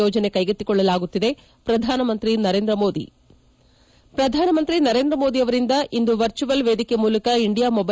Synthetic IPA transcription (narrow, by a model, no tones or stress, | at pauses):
oːd͡ʒɐne̞kɐjɡet̪ːikɔɭːɐlaːɡut̪ːid̪e̞ | pɾɐd̪ʱaːnɐmɐnt̪ɾinɐɾeːnd̪ɾɐmo̞ːd̪ḭ | pɾɐd̪ʱaːnɐmɐnt̪ɾinɐɾe̞ːnd̪ɾɐmo̞ːd̪iɐʋɐɾind̪ɐʔind̪uʋɐɾt͡ʃuʋɐlʋe̞ːd̪ikemuːlɐkɐiɳɖijaːmɔbɐ